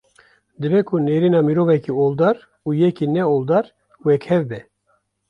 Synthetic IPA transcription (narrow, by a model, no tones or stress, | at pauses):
d̪ɨbɛkʰuneːɾinɑːmiɾoːvɛkioːld̪ɑːɾ | uːjɛkinɛold̪ɑːɾ | wɛkhɛvbɛ